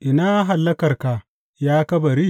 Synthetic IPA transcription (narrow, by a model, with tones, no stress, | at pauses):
ʔɪ˨naː˦ɦa˨lːɐ˦kɐ˨rka˨ | jaː˦kɐ˦bɐ˨ɾi˦˨